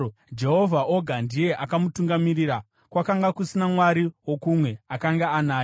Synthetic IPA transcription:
d͡ʒe̞ɦo̞vʱaʔoɡʱandije̞ʔakamutuŋɡamiɾiɾa | kwakaŋɡakusinamwaɾiwo̞kumwe̞akaŋɡaanaːj

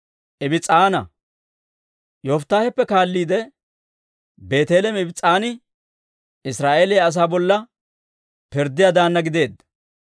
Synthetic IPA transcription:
ʔɪbɪt͡sʼːaːnɐ̰ | joːft̪ːaːhɛpːɛkaːlːiːd̪ɛ | be̞ːt̪eːlɛmɪbɪt͡sʼːaːnɪ | ɪsɾaːʔeːlɪjaɐs̬aːbɔlːɐ | pɪɾd̪ːɪjad̪aːnːɐɡɪd̪e̞ːd̪ːɐ

